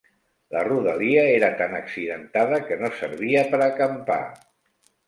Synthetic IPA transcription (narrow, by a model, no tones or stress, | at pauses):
ləruðəliəeɾət̪anəksiðənt̪aðəkənosəɾβiəpəɾəkəmpa̰